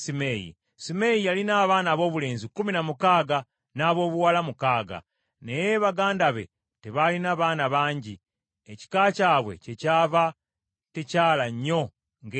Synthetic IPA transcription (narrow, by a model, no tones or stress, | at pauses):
simejḭ | sime̞jialinaːβaːnaːβo̞ːβule̞ːnzikuminamukaːɡa | naːβo̞ːβuwalamukaːɡa̰ | ne̞jeβaɡaːndaβe̞̰ | te̞βalinaːβaːnaβaːɲɟi | eci̥kaːcaːβwe̞̰ce̞caːva | tecaːlaɲːo̞ | ŋɡ